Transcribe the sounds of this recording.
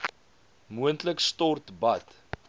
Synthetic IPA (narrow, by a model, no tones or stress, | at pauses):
muəntləkstɔrtbɐt